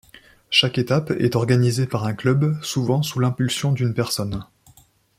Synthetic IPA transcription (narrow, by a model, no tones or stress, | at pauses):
ʃaket̪apɛ̰t̪ɔʁɡanizepaʁɛ̃klœbsuvɑ̃sulɛ̃pylsjɔ̃d̪ynpɛʁsɔn